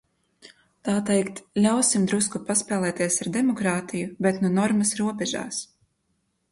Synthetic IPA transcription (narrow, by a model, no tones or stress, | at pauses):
t̪aːt̪ɛjkt̪lʲawsimd̪ɾuskupaspɛːlˠɛːt̪iɛsaɾd̪ɛmɔkɾaːt̪ijubɛt̪nunɔɾmɐsɾuɔbʲɛʒa̰ːs